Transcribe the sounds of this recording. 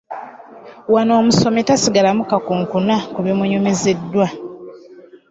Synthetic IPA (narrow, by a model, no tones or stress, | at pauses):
wanoːmuso̞metasiɡalamukakuːŋkunakuβemuɲumezedːwa